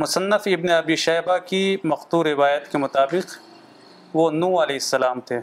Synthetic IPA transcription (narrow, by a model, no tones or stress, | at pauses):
mʊsənːəfɪbneɐbiːʃɛːbakimɐxt̪uːɾːɪʋaːjət̪kemʊt̪aːbɪq | ʋonũːɐleːɦɪsːɐlaːmt̪ʰeː